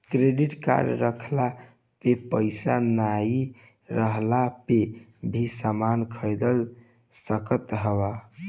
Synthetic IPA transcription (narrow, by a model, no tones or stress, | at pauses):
kɾeɖiʈka̰ɾjə̰ɾəkʰla | pepəɪsanai | ɾəɦlapebʱisamankʰəjd̪əl | səkət̪ɦəba